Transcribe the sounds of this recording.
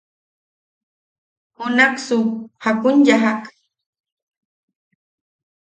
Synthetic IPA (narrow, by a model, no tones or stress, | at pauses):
hʊnaksʊhakʊnʎaɦak